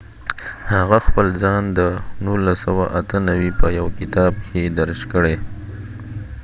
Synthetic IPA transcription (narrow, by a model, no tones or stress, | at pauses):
haɣaxpəlzɑnd̪ənulasawaʔat̪ʰənawipəjawkɪt̪ɑb̚kʰed̪aɾʃkəɽe